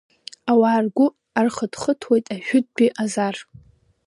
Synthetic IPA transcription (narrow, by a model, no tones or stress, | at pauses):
awaːrɡʷʊ | arχədχətʰwejtʼaʒᶣʊd̚biʔazar